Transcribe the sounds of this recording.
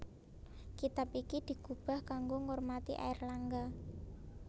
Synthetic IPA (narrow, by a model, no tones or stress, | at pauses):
kit̪apikid̪̥i̤ɡ̥ub̥a̤hkaŋɡoŋormat̪ḭʔa̰ɪrlaŋɡa